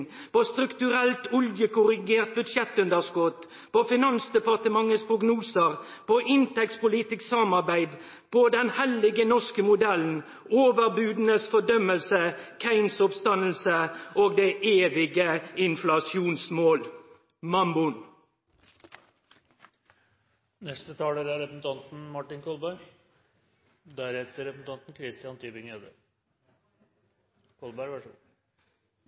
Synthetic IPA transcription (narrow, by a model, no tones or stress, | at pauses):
poːst̪ɾʉkt̪ʉʁɛlt̪ʊljəkʊʁɪɡeːʁt̪̚bʉd̪ʂɛt̪ʉnd̪əʁskɔt̪ | poːfɪnɑnsd̪ɛpɑʁt̪əmɑŋːəspʰʁʊɡnuːsəʁ | pʰoːʔɪnt̪ɛktspʊlɪt̪ɪksɑmɑʁbæɪd̪ | pʰoːd̪ɛnhɛlɪɡənɔskəmʊd̪ɛln̩ | oːʋəʁbʉːd̪n̩əsfɔd̪œməlsəkʰæɪnsʊpst̪ɑnəl̩səoːɡd̪eːʔeːʋɪɡəɪnflɑsjuːnsmoːl | mɑmbʊn | nɛst̪ət̪ʰɑːləɾæɾɛpəsn̩t̪ʰɑnt̪n̩mɑʈɪnkʰɔlbæɪ | d̪æɾhɛːt̪əɾɛpsn̩t̪ɑnt̪n̩kʰɾɪst̪ɪjɑnt̪ʰyːbɪŋød̪ə̰ | kʰɔlbæɪʋæʂ